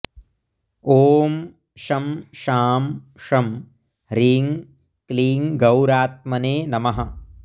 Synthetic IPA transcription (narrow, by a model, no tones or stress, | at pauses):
oːm | ʃɐmʃaːmʃɐm | ɾiːŋ | kliːŋɡɐwɾaːt̪̚mɐneːnɐmɐɦɐ